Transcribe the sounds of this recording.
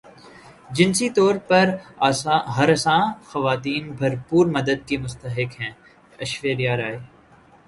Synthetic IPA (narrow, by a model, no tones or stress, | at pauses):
d͡ʒɪnsit̪ɔːɾpɐɾaɦɐɾɐsãːxɐʋaːt̪iːnbʱɐɾpuːɾmɐd̪əd̪̚kemʊst̪əɦɪkɦɛ̃ː | ɐʃʋeːɾijaːɾaːe